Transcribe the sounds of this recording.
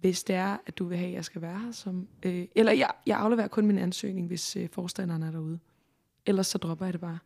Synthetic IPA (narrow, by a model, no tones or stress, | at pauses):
ʋe̝sd̥e̝æɐæd̥uʋe̝ɦɛ̰jɑ̈ɪsɡ̥æʋæːɐhɐsɒ̽møʔelɐjɑjɑ̈ɪʔɑ̈ʊleʋḛɐkʰɔ̽nminænsø̰ːne̝ŋʋe̝søfɒːsd̥æn̰ɐnəæɐɾɑ̈uð̞̩ˠə | elɐsːɒ̽d̥ʁɒ̽b̥ɐjɑ̈ɾe̝b̥ɑ̈ː